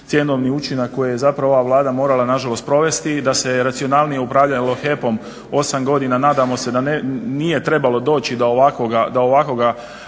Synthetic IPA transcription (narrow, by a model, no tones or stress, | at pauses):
t̪je̞no̞ʋniut͡ʃinakːo̞jeje̞zapɾaʋo̞ʋaʋlˠaːd̪amo̞ːɾalˠanaʒalˠo̞st̪̚pɾo̞ʋe̞st̪id̪ase̞ɾat̪sio̞naːlˠnije̞upɾaːʋʎalo̞xe̞po̞m | o̞samɡo̞d̪inanaːd̪amo̞se̞d̪anenije̞t̪ɾe̞balo̞d̪o̞ːt͡ɕid̪aoʋakoɡad̪ao̞ʋako̞ɡa